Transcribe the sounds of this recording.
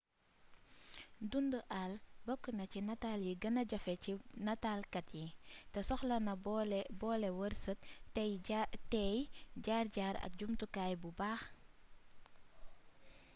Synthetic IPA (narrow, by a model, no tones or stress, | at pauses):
dundəʔalbɔkːənɐcinɐtaːljiɡɐnɐɟɐfɛcinɐtaːlkɐtjitɛsɔxlɐnɐbɔlɛwərsət̚ | tɛjɟaːrɟaːɾɐ̰k̚ɟumtukaːjbubaːx